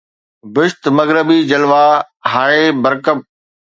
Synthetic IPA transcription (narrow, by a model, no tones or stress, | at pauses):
bɪʃt̪mɐɣɾəbid͡ʑɐlʋaː | ɦaːɭeːbɐɾkəb̚